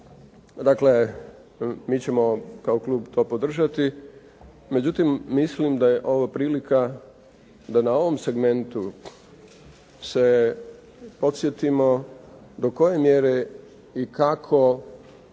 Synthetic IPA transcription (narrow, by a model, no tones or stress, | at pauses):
d̪akle | miːt͡ɕe̞mo̞kaoklˠuːbt̪ʰo̞ːpod̪r̩ʒat̪i | me̞d͡ʑut̪imːislimd̪ajeʔo̞ʋapɾiːlika | d̪anao̞ʋo̞mse̞ɡme̞nt̪u | se | po̞t̪sje̞t̪imo̞d̪o̞ko̞je̞mjeɾe̞ | ikakʰo̞